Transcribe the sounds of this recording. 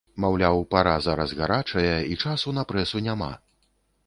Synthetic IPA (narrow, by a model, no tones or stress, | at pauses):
mawlʲawpaɾazaɾɐzɣaɾat͡ʂɐjɐit͡ʂasunɐpɾɛsunʲama̰